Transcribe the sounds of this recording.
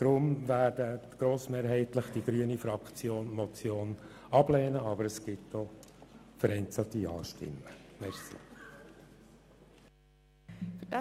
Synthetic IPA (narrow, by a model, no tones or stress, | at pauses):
d̪̥ɾʊmvæːdəɡ̥ɾoːsmeːɾɦɛɪt̪ləχd̥iɡ̥ɾyːənifɾɑkt͡sjoːnmɔt͡sjoːn | ɑb̥lɛːnəɑbəɾəsɡ̥ɪtd̥ɔ | fəɾɛɪnt͡sɑt̪iɑ̰ːʃtɪ̰mːəmɛɾsḭ | fd